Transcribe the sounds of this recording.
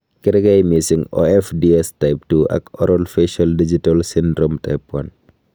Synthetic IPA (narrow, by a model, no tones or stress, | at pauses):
kɛɾɡajmisiŋɔ̰ɛfdiɛstajp̚tuɐ̰kɔ̰ɾɔlfeʃaldid͡ʒitalsindɾɔmta̰jpwan